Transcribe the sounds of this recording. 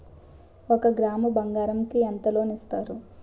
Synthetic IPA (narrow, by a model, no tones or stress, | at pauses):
okɐɡɾaːmɐbɐŋɡaːɾɐmkiɐnt̪ɐlo̞ːnist̪aːɾu